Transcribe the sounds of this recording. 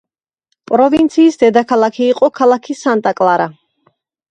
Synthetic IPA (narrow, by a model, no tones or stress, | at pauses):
pʼɾɔvint̪sʰiːsd̪ɛd̪akʰalˠakʰiːqʼɔkʰalˠakʰisant̪ʼakʼlˠaɾa